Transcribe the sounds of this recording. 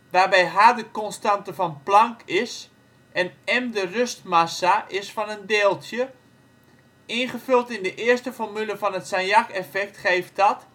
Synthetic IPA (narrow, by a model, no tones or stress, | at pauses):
ʋaːrbɛjɦadəkɔnstantəfɔnplaŋkɪs | ʔɛnɛmdərøstmasaʔɪsfɔnəndeːlˠtjə | ɪnχəfølˠtɪndəʔɪərstəfɔrmyləfɔnətsanjakɛfɛk̚tχeːft̚dɔt